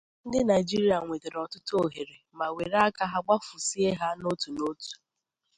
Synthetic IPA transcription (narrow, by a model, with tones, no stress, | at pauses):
n̩˦dɪ˦na˨ɪ˨d͡ʒi˦ɾi˦a˨ŋʷe˨te˨ɾɔ˨tʊ˦to˨ɦe˨ɾe˨ma˨we˨ɾa˦ka˦ɦa˦ɡ͡ba˦fʊ˨si˦e˦ɦa˦no˦tu˨no˦tu̥˨